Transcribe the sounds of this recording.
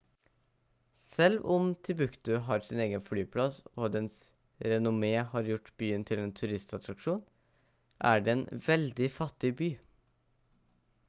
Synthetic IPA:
sɛlʋɔmt̪ʰɪbʉkt̪ʉɦɑːɾsɪneːɡənflyːpʰlɑsoːd̪ɛns | ɾɛnʊmeːhɑɾjʊʈːbyːənt̪ʰɪleːnt̪ʰʉɾɪst̪ɑt̪ɾɑkʂuːn | ʔæ̰ɖeːeːnʋɛld̪ɪfɑt̪ːɪbyː

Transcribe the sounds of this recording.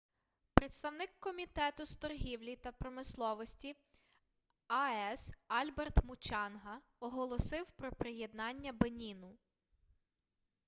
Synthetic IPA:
pɾet̪st̪ɐwnɪkːɔmʲit̪ɛt̪ʊst̪ɔrɦʲiwlʲit̪ɐpɾɔmɪslˠɔʋɔsʲtʲi | ɐɛsɑlʲbert̪mʊt͡ʃɑnɦɐ | ɔɦɔlˠɔsɪwpɾɔpɾejed̪nɑnʲːɐbenʲinʊ

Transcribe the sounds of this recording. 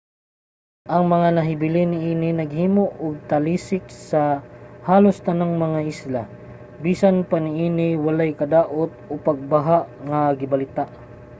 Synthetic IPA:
ʔɐŋmɐŋanɐɦɪbɪlɪnɪʔiːnɪnɐɡhiːmoʔʊɡ̚t̪ɐliːsɪk̚sɐhaːlost̪ɐnaŋmɐŋaʔɪsla̰ | biːsanpanɪʔiːnɪwɐlajkɐd̪aːʔot̪̚opɐɡ̚bɐɦaʔŋɐɡɪbɐlɪt̪aʔ

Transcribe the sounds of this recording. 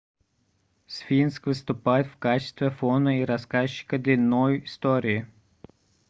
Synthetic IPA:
sfʲinskʋɨst̪ʊpajɪt̪fkat͡ɕɪ̥st̪vʲɛfɔnɐiɾɐskaɕːɪ̥kɐd̪lʲɪnːɔjist̪ɔɾʲɪɪ

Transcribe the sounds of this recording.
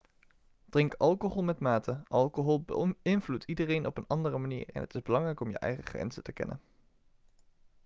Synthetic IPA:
d̥rɪŋkɑlˠkoɦɔlˠmɛtmaːtəʔɑlˠkoɦɔlˠbəɪnvlutʰidərejnʔɔpənɑndərəmanḭːɹɛ̰nɦətɪzbəlɑŋrɛjkɔmjə̰ʔɛ̰jχəχrɛ̰nz̥ətəkɛ̰nə̰n

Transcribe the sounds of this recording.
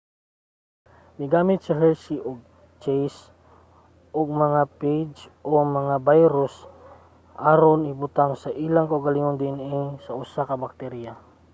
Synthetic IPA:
miɡamɪt̪̚saɦɛlsiʔɔɡ̚ | t͡ʃɛjs | ʔɔɡ̚mɐŋapejd͡ʒomɐŋabajɾʊs | ʔaɾonibut̪aŋsaʔilaŋkauɡaliŋond̪iɛnɛsausakabak̚t̪ɛɾija

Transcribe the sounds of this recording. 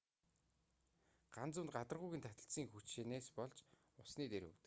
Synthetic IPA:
ɢ̥ant͡sʊ̆nt̪̚ɢat̪ə̆rʁʊjɣʲĭːnt̪ʰat̪ə̆ɬsiːŋxut͡ɕʃeːneːspɔɮt͡ɕ | ʊsniːt̪eɾɵ̰kt̪ɘ̥̆k

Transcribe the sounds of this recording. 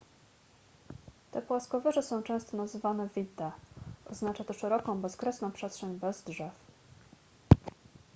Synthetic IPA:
t̪ɛpwaskɔvɛʐɛsɔ̃w̃t͡ʂɛ̃st̪ɔnazɘvanɛvʲit̪ːɛʔɔznat͡ʂat̪ɔʂɛɾɔkɔ̃w̃bɛskɾɛsnɔ̃w̃pʂɛstʂɛɲbɛzdʐɛf

